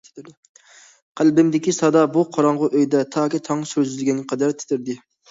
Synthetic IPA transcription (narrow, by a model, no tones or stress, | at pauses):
qʰælbɪmd̪ɪkʲisɑd̪ɑbuqʰɑɾɑɴʁʊʔøjd̪ɛt̪ʰɑːkʲit̪ʰɑŋsøɾzylɪɡʲɛnqʰɑd̪æɾt̪ʰɪ̥t̪ʰɪɾd̪ɪ